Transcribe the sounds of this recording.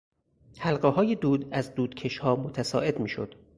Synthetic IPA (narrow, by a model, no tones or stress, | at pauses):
hælɢeɦɒːjed̪uːd̪æzd̪uːd̪̥cʰe̞ʃhɒːmot̪ʰæsɒ̰ːʔe̞d̪miːʃo̰d̪̥